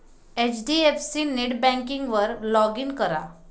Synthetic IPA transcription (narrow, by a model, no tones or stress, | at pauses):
et͡ɕɖiefsineʈbɛ̃ŋkiŋɡʋəɾlɔɡinkəɾa